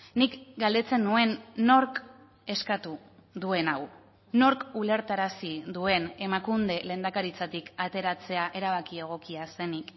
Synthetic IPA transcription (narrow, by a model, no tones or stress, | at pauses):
nikɡald̪e̞t͡se̞nːue̞nːo̞ɾk | e̞skat̪u | ðue̞naw | no̞ɾkule̞ɾt̪aɾasiðue̞ne̞makund̪e̞le̞ːnd̪akaɾit͡sat̪ikat̪e̞ɾat͡se̞aʔe̞ɾaβ̞akie̞ɣ̞o̞kiase̞nik